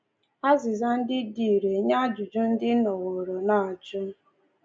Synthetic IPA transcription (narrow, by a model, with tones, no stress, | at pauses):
a˦zɪ˨za˦n̩˦dɪ˦di˨ɾe˨ɲa˦a˦d͡ʒu˨d͡ʒu˦n̩˦dɪ˦nɔ˨ɣo˨ɾo˨na˨a˨d͡ʒʊ˦